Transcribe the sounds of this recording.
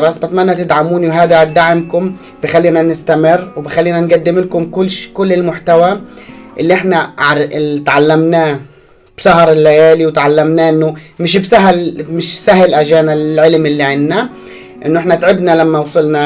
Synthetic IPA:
ɾˤɑsˤbat̪manːat̪ɪd̪ʕamuːniwɦaːd̪ad̪aʕmkʊm | b̥ixalːiːnanɪst̪amɪrːwbixalːiːnanɡad̪ːɪmɪlkʊmkʊʃkʊlːɪlmʊħt̪awaʔɪlːiʔɪħnaʕɾt̪ʕalːamnaː | b̥saɦɑɾˤɪlːajaːliwɪt̪ʕalːamnaːʔɪnːʊmɪʃ̬bsaɦalmɪʃbsaɦɪlʔaʒaːnalʕɪlmɪlːiʕɪnːa | ʔɪnːʊʔɪħnat̪ʕɪbnalamːawsˤɨlna

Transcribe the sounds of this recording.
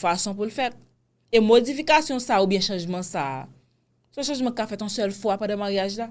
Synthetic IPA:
fasɔ̃p̬ulfɛt̪̚ | emod͡zifikasjɔ̃saːubjɛ̃ʃãʒmãsaː | sɔ̃ʃɑ̃ʒmãkafɛt̪ɔ̃sœlfwapãdɛmaʁjaʒla

